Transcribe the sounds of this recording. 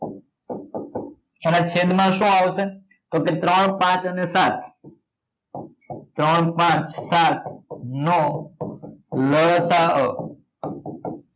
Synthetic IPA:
enat͡ʃʰed̪ʱmãʃũaʋʃe | t̪oket̪ɾəɳ̃pãt͡ʃənesat̪ʰ | t̪ɾəɳ̃pãt͡ʃsat̪ʰno | ləɭsaə

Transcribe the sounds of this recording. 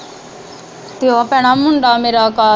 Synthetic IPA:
t̪ɪãpɛ̃ːɽ̃aːmʊɳɖaːmeːɾaːkaː

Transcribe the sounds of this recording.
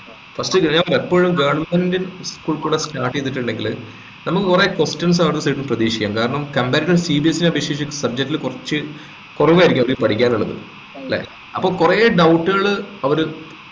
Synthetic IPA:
fɐstɨkːɲaɐɾepːoːɻumɡeːɳmɐndinskuːɭkuːɽestaːʈːet̪ːiʈːuɳɖeŋɡil | nɐmːukːɨkurekostɐms̬aːʋɐɾt̪ːɐsejʈːumprɐðiːʂi̥kʲːa̰ːmkaːɾɐɳɐmkɐmbeːɾɐʈːɐɭsiːbiesinɐbeʂjeːt͡ɕːɨsɐb̚d͡ʑek̚tːilkurɐt͡ɕːɨ | kurɐʋuaːiɾikʲːmɐʋɐɾipɐʈʰikʲːaːnuɭːɐðɨ̰ | ɐlːḛː | ɐpːoːɭkureːɖɐwʈːɨɣɐɭɨɐʋɐɾu

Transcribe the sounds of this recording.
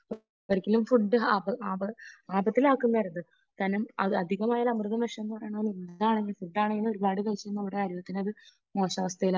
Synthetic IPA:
p | ʋɐɾikʲːilumfuɖːɨaːbɐaːbɐaːbɐt̪ːilaːkːunːɐɾɐðɨ | t̪ɐnumɐɨɐd̪ʱiɣɐmaːjɐlɐmrɨðɐmʋɐʂɐmenːɨpɐrɐjaɳonimɐaːɳeŋːɡilfuɖːaːɳeŋɡːilɨo̞ɾubaːɽɨkɐɻit͡ɕːenːuɐʋiɽe̞kaːɾjɐjɐt̪ːinɐðɨ | mo̞ːɕaʋɐst̪ɐjila

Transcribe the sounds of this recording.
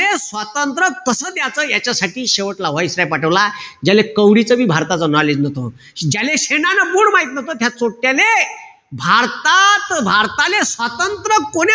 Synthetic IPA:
esʋat̪ənt̪ɾəkəsəːd̪jat͡səːjat͡ɕjasaʈiːɕeʋəʈlaʋajsɾapaʈəʋlad͡ʑalekəwɽit͡səbiːbʱaɾt̪at͡sənɔled͡ʑnət̪o | d͡ʑjaleɕeɳanamuːɽmaɦit̪nət̪ot̪ʰjat͡soʈːjale | bʱaɾt̪at̪bʱaɾt̪alesʋat̪ənt̪ɾəkoɽe

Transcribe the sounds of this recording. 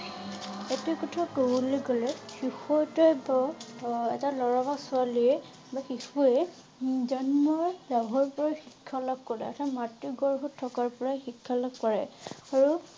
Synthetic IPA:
ɛtɛkɔtʰatoleɡɔlɛxixɔjtɔjba | ɛtalɔɹabasʊaliɛ | baxixuɛ | zɔnmɔɹdaɦɔɹpɔɹajxikʰːalɔkːɔɹɛ̰ɔ̰tʰamatːiɡɔɹɦɔtʰːɔkaɹpɔɹaxikʰːalɔkːɔɹɛ̰aɹu

